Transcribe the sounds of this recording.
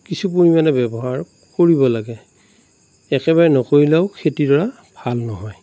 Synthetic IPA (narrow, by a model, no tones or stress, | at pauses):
kisup̬oɹimanɛbɛbɔɦaɹ | koɹibɔlaɡɛ | ɛkɛβaɹɛnɔkoɹilɛʊkʰetidɔɹa | bʱalnɔɦɔj